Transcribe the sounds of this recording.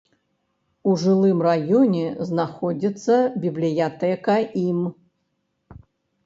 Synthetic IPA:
uʐɨlˠɨmrajɔnʲɛznaxɔd͡zʲit̪sːɐbʲiblʲijat̪ɛkɐʔim

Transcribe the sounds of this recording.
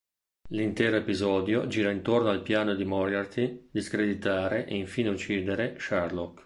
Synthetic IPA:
lint̪ɛːɾoepizɔːd̪jod͡ʒiːɾaint̪ornoalpjaːnod̪imɔrɡart̪id̪iskɾed̪it̪aːɾeʔeiɱfiːneut͡ʃːiːd̪eɾeʃarlɔk

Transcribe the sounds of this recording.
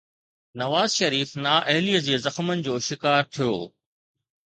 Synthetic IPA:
nɐʋaːzʃɐɾiːfnaːʔɐɦɪliːəd͡ʑeːzɐxmənɪ̆d͡ʑoːʃɪkaːɾt̪ʰijo̰ː

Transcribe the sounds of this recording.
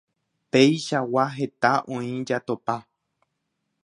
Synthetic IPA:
pe̞jʃawaɦe̞t̪aʔõĩd͡ʒat̪opa

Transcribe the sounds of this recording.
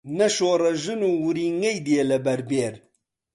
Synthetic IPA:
nɐʃoɾɐʒɨnuwuɾiŋɐjd̪ielɐbɐɾbeɾ

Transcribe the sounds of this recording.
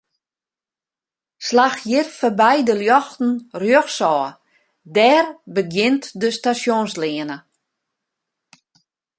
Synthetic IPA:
slaxjɪrfəbɛjdəljɔxtn̩rjøxsɔː | dɛːrbəɡjɪntdəstasjonslɪənə

